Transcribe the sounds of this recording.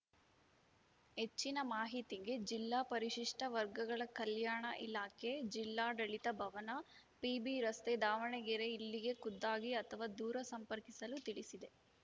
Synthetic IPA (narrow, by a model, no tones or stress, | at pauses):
he̞t͡ʃːinɐmaːɦit̪iɡe̞d͡ʒilːaːpɐɾiʃiʂʈɐʋɐɾɡɐɡɐɭɐkɐljaːɳɐʔilaːkʰed͡ʒilːaːɖɐɭit̪ɐbʱɐʋɐnɐ | pibiɾɐst̪ed̪aːʋɐɳɛɡɛɾeilːiɡe̞kud̪ːaːɡiɐt̪ʰɐʋaːd̪uːɾɐsɐmpɐɾkisɐlut̪iɭisid̪e̞